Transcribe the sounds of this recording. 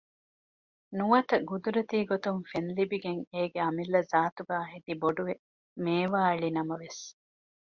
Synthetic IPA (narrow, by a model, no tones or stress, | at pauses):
nuʋɐt̪ɐɡud̪uɾɐt̪iːɡot̪uŋfenlibiɡeŋeːɡeɐmilːɐzaːt̪uɡaːɐɦed̪iboɖuʋe | meːʋaːɐɭinɐmɐʋes